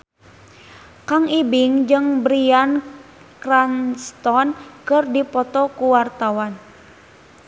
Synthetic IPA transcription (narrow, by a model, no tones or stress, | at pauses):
kaŋibiŋd͡ʒɨŋbɾian | kɾanst̪ɔnkɨrdipɔt̪ɔkuwart̪awan